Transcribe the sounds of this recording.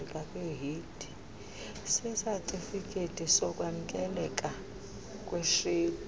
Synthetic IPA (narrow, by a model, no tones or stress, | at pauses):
kʼakʼweɦid̥ʱi | sɛsatʼifikʼetʼisɔkʼwaŋkʼɛlɛkʼa | kʼweʃeː